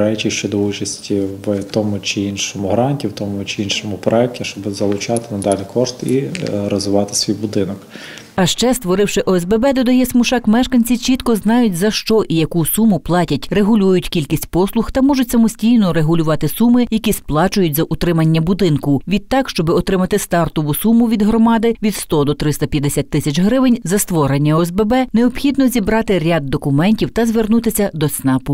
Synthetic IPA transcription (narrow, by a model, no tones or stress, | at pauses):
ɾɛt͡ʃiʃt͡ʃɛd̪ɔut͡ʃɐsʲtʲiʋt̪ɔmʊt͡ʃɪinʃɔmʊɦɾɑnʲtʲiwt̪ɔmʊt͡ʃɪinʃɔmʊpɾɔɛk̚tʲiʃt͡ʃɔbɪzɐlˠʊt͡ʃɑt̪ɪnɐd̪ɑlʲikɔʃt̪iɾɔzʊʋɑt̪ɪ̥sʲʋʲijbʊd̪ɪnɔk | ɐʃt͡ʃɛst̪ʋɔɾɪwʃɪʔɔɛzbɛbɛd̪ɔd̪ɐjɛsmʊʃɑkmɛʃkɐnʲt͡sʲit͡ʃit̪kɔznɑjʊtʲzɐʃt͡ʃɔʔijɐkusumʊplˠɑtʲɐtʲreɦʊlʲujʊtʲkʲilʲkʲisʲtʲpɔslˠʊxt̪ɐmɔʒʊtʲsɐmɔsʲtʲijnɔɾeɦʊlʲʊʋɑt̪ɪsumɪjɐkʲisplˠɑt͡ʃʊjʊtʲzɐʔʊt̪ɾɪmɐnʲːɐbʊd̪ɪnkʊʋʲid̪t̪ːɑkʃt͡ʃɔbɪɔt̪ɾɪmɐt̪ɪst̪ɑrt̪ɔʋʊsumʊʋʲid̪ɦɾɔmɑd̪ɪʋʲid̪st̪ɔd̪ɔt̪ɾɪst̪ɐpʲjɐd̪esʲat̪̚ʲːɪsʲɐt͡ʃɦɾɪʋɪnʲzɐst̪ʋɔɾenʲːɐɔɛzbɛbɛneɔpxʲid̪nɔzʲibɾɑt̪ɪɾʲad̪ːɔkʊmɛnʲtʲiwt̪ɐzʋernut̪ɪsʲɐd̪ɔsnɑpʊ